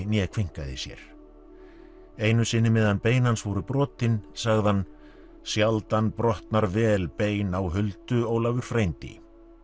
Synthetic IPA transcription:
njɛkʰviŋ̥kaðɪsjɛ̰ɾ̥ | ejnʏsɪnːɪmɛːðanpeːjnansvɔɾʏpɾɔːt̪ɪnsaɣðɪhan | sjalt̪anpɾɔht̪naɾvɛːlpeːjnawɦʏlt̪ʏɔwlavʏɾ̥fɾejnt̪ɪ̰

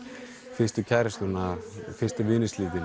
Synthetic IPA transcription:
fɪst̪ʏcʰɛɾst̪unafɪr̥st̪avɪːnɪsliːt̪ɪn

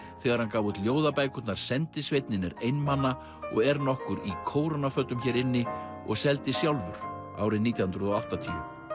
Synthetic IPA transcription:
θɛɣaɾ̥hankaːvut̪ljoːwðapaːjkʏt̪naɾ̥sɛnt̪ɪsvejt̪nɪnɪɾejnmanːa | ɔ̰ɣɛɾnɔhkʏɾikʰoːwɾanafœt̪ːʏmçɛːɾɪnːɪ | ɔ̰ɣsɛlt̪ɪsjawlvʏɾ̥ | a̰ːwɾɪniːt̪jahʏnɾʏðɔawht̪at̪ʰḭːʏm

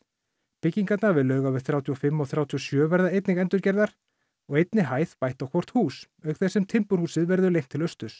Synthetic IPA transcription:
pɪcːiŋkat̪navɪðlːœːɥɣawvɪðθɾjawt̪ʰiɔfɪmːɔɣθɾjaːwt̪ʰiɔsjœːvɛɾðaejt̪nɪɣɛnt̪ʏɾcɛɾðaɾ̥ | ɔɣejt̪nɪɦaːjθpajht̪awkʰvɔr̥t̪huːs | œɥkθɛsːɛmt̪ʰɪmpʏɾhuːsɪðvɛɾðʏlejŋ̥t̪ʰɪlœst̪ʏs

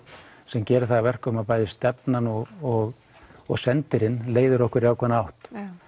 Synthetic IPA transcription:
sɛmcɛːɾʏθaɣavɛr̥kœmaðpaːjðɪst̪ɛpnanɔɣɔɣ | ɔɣsɛnt̪ɪɾɪnleːjðʏɾɔhkvʏɾiawkʰvɛnawht̪

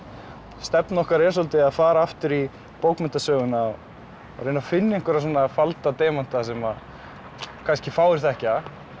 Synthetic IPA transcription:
st̪ɛpnɔhkaɾɛ̥ːs̬ɔlt̪ɪaðfaːɾaaft̪ʏɾi | powkmɛn̥t̪asœːɣʏna | rejnafɪnːɪeŋkʏɾas̬ɔːnafalt̪at̪eːman̥t̪asɛmað | kʰanscɪfaːwɪɾ̥θɛhca

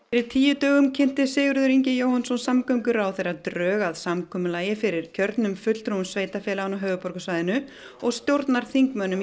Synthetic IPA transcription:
ɾɪɾt̪ʰiːjʏt̪œːɣʏmcʰɪn̥t̪ɪsɪːɣʏɾðʏɾiɲcɪjowhansɔnsamkœɥŋkʏɾawθejrat̪ɾœːɣaðsamkʰɔːmʏlaːjɪfɪɾɪɾ̥cʰœɾt̪nʏmfʏt̪l̥t̪ʰɾuʏmsvejt̪afɛːlaanaɦœːvʏpɔɾkʏsvajðɪnʏ | ɔɣst̪jowɾt̪naɾ̥θiŋkmœnʏm

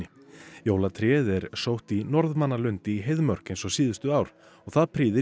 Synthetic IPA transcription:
ɪ | jowlat̪ʰɾɛðɛɾsowht̪inɔɾðmanːalʏnt̪ɪːɦejðmœr̥kɪnsɔwsiːðʏst̪ʏaːwɾ̥ | ɔɣθaðpʰɾiːðɪ

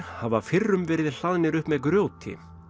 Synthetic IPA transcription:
havafɪrːʏmvɛːɾɪðl̥aðnɪɾʏhpmɛðkɾjoːwt̪ʰɪ̰

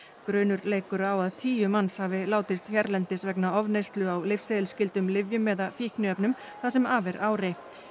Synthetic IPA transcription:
kɾœːnʏɾleːjkʏɾawaðt̪ʰiːjʏmanshavɪlaːwt̪ɪst̪çjɛɾlɛnt̪ɪsvɛknaɔvnejst̪lʏawlɪfseðɪlscɪlt̪ʏmlɪvjʏmːɛːðafiːhknʏœpnʏm | θasɛmaːvɛɾaːwɾɪ

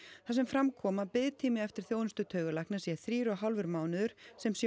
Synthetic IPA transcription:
θas̬ɛmfɾamkʰɔːmapɪðt̪ʰiːmɪɛft̪ɪ̥ɾ̥θjoːwðɪnst̪ʏt̪ʰœːɥɣʏlajknasjɛθɾiːɾɔɦawlvʏɾmaːwnʏðʏɾ̥sɛmsj

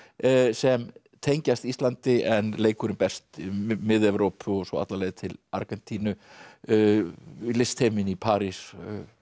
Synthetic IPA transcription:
sɛm | t̪ʰejɲcast̪ist̪lant̪ɪʔɛnleːjkʰʏɾɪmpɛst̪mɪðɛvɾowpʰʏɔsɔa̰t̪lalɛːjðt̪ʰɪla̰ɾkɛnt̪ʰiːnʏ | lɪst̪ʰejmɪnipʰaːɾis

